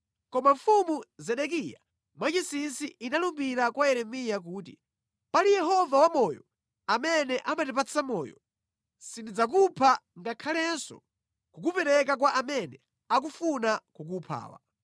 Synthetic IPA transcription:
kɔmaɱfumuzɛɗɛk̬ija̰ | mwat͡ʃisinsiinalumbiɾakwaɛɾɛmijak̬uːtḭ | palijɛɦɔvawamɔjɔ̰ | amɛnɛʔamatɛpat͡sʰamɔ̰ːjɔ̰ | sindid͡zak̬upʰaŋɡakʰalɛnsɔ̰ | kukupɛɾɛk̬ak̬waʔamɛnɛ | ak̬ufunakuk̬upʰa̰ːwa̰

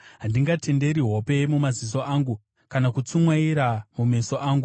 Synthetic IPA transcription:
ɦandiŋɡatʰe̞nde̞ɾiɦope̞mumazis̬o̞ʔaːŋɡu | kanakut͡sumwaiɾamume̞so̞ʔaːŋɡu

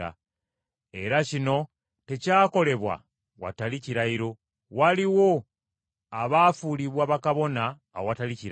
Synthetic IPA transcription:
a̰ | e̞ɾacino̞ | te̞caːko̞le̞βwa̰ | wa̰taliciɾaiɾo̞ | waliwo̞ | aβaːfuliβwaβakaβo̞na̰ː | wowataliciɾ

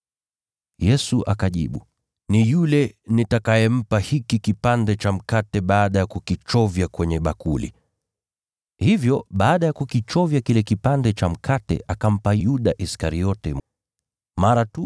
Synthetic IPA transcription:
jɛsuʔakaʄḭɓu | nijulɛnitakajɛm̩pahikikipandɛt͡ʃam̩katɛɓaːɗajakukit͡ʃɔvjakwɛɲɛɓakulḭ | hivjɔɓaːɗajakukit͡ʃɔvjakilɛkipandɛt͡ʃam̩kʰatɛ̰ʔakam̩pajuɗaʔiskaɾiɔtɛ | maɾatu

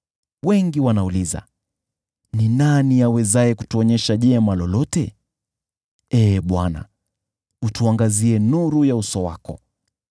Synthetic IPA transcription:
wɛŋɡiwanauliza̰ | ninaniawɛzajɛkutuɔɲɛʃaʄɛmalɔlɔtɛ | ɛːɓwana̰ | utuaŋɡaziɛnuɾujausɔwa̰kɔ̰

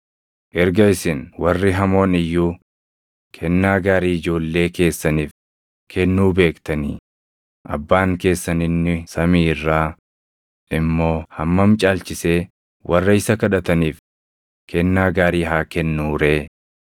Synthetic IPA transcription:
ʔɛɾɡɐɪsɪnwɐrːɪɦɐmo̞ːnɪjːuː | kʰɛnːaːɡaːɾiːɪd͡ʒo̞ːlːe̞ːke̞ːsːɐniːf | kʰɛnːuːbe̞ːkt̪ɐnḭː | ʔɐ̰bːaːŋke̞ːsːɐnɪnːɪsɐmiːrːaː | ʔɪmːo̞ːhɐmːɐmt͡ʃʼaːlt͡ʃɪseː | wʔɐrːɐɪsɐkɐᶑɐt̪ɐniːf | kʰɛnːaːɡaːɾiːɦaːkɛnːuːɾe̞ː

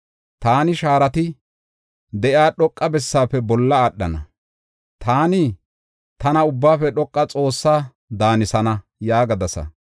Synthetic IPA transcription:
t̪aːnɪʃaːɾɐt̪ɪ | d̪ɛʔjaːɗɔkʼːɐbɛsːaːpːɛbɔlːɐaɗːɐ̰nɐ | t̪aːnɪ | t̪ɐnɐʊbːaːfɛɗɔkʼːɐt͡sʼo̞ːsːaː | d̪aːnɪsɐnɐ | jaːɡɐd̪ɐsɐ̰

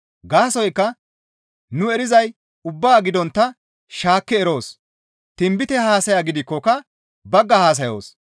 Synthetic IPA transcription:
ɡaːsɔjkːɐ | nʊɛɾɪzɐj | ʊbːaːɡɪd̪ɔnt̪ːɐ | ʃaːkːɛːɾo̞ːs | t̪ɪmbɪt̪ɛhaːsɐjaɡɪd̪ɪkːɔkɐ | bɐɡːɐhaːs̬ɐjo̰ːs

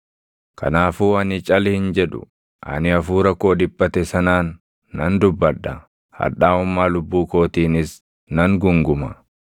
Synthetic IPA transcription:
kʰɐ̰naːfuːɐnɪt͡ʃʼɐlhɪnd͡ʒɛᶑʊ̰ | ʔɐ̰nɪɐfuːɾɐkːo̞ːd̪ɪbːɐt̪ɛsɐnaːnː | ɐnd̪ʊbːɐᶑːɐ | hɐ̰ᶑaːʊmːaːlʊbːuːko̞ːt̪iːnɪs | nɐŋɡʊŋɡʊmɐ

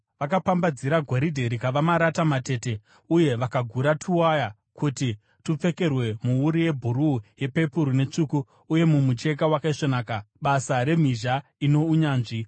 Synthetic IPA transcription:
ʋakapambad͡ziɾaɡʱoɾidʱe̞ɾikaʋamaɾatamate̞ːte̞ | uje̞ʋakaɡʱuɾatʰuwaja | kuti | tup͡fe̞ke̞rwe̞muuɾije̞bʱuɾuːje̞pe̞puɾune̞t͡ʂuːku | uje̞mumut͡ʃe̞k̬awakaiʂonaːka | ɓasaɾe̞m̤iʒaino̞uɲaːnʐi

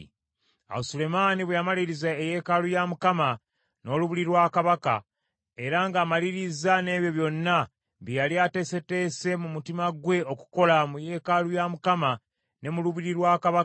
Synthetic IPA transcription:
a̰sule̞maːniβwejamaliɾizaeje̞kalujamukama | no̞ːluβiliɾwaːkaβaka̰ | e̞ɾaŋɡaːmaliɾizane̞ːβjo̞βjo̞nːa | βijaliate̞se̞te̞ːse̞mumutimaɡwe̞o̞ku̥ko̞lamuje̞ːkalujamukama | ne̞muluβiɾiɾwaːkaβa

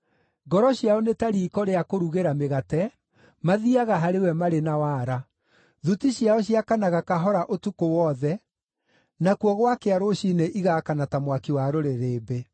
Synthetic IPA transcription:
ɡɔɾɔɕiaɔnetaɾiːkɔɾeakoɾuɣeɾameɣatɛ | maðiaɣaɦaɾewɛmaɾenawaːɾa | ðutiɕjaɔɕiakanaɣakaɦɔɾaʔotukowɔðɛ | nakuɔɣwakeaɾoɕineʔiɣaːkanatamwakiwaɾoɾeɾeːbe

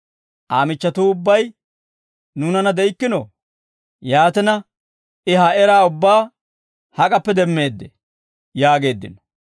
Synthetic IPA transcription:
ʔaːmɪt͡ʃːɐt̪uːʊbːɐj | nuːnɐnɐd̪ɛɪkːɪnɔ̰ | jaːt̪ɛnɐ | ʔɪɦɐɛɾaːʊbːaː | hɐkʼɐpːɛd̪ɛmːe̞ːd̪ːɛ | jaːɡe̞ːd̪ːɪ̰nɔ̥

